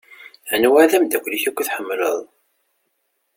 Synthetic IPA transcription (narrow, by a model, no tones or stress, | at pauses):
ənwaðæmd̪ækʷːliçækʷːθħəmːlə̰ðˤ